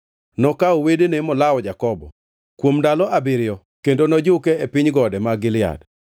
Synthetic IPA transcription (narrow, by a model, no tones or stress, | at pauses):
nɔkaowedenemɔlawɔd͡ʒakɔbɔ̰ | kwomdalɔabɪɾɪjɔ | kendonɔd͡ʒʊkɛepɪɲɡɔdɛmaɡɪlɪa̰d